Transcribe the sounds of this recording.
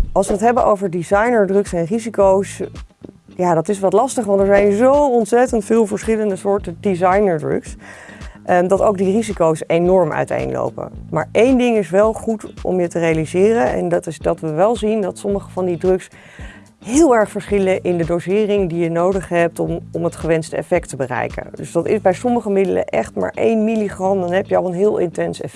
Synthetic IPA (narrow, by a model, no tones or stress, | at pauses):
ɑlˠsʋəətɦɛbəʔowvəɹdizɑjnəɹdrɵksɛnrizikows | jaːdɑtɪs̬ʋɑtlɑstəχʋɑntɛɹzɛjnzowɔntsɛtəntfɪːlˠvəɹsχɪləndəsʊːɹtədizɑjnəɹdrɵ̰ks | ʔdɑtowk̚dirizikowsejnɔɹmœ̰ɥtḛjnlo̰wpə̰ma̰ːɹejndɪŋɪsʋɛlˠχutɔ̰mjətərejalizɪːrənɛ̰ndtɪsdɑtʋəʋɛlˠzindɑtsɔməχəvɑndidrɵks | ɦɪːlˠɛɹχfəɹsχɪləʔɪndədowsɪːrɪŋdijənowdəχɦɛp̚tɔmətχəʋɛnstəɛ̰fɛk̚təbərɛ̰jkə̰ndɵzdɑtɪ̰sbɛjsɔməχəmɪdələ̰ʔɛ̰χtma̰ːɹʔḛjnmiliχrɑndɑnɦɛpjəɑlˠənɦɪːlˠɪntɛnsɛ̰fɛ